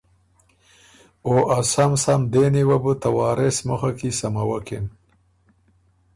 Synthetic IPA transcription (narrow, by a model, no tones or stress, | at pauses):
oʔasamsamd̪eniwabut̪awɑːɾesməxakisamawaken